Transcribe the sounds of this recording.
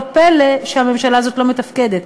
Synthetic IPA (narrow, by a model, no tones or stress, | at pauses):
peleʃeame̞mʃalaazo̞t̪lo̞met̪afke̞d̪et̪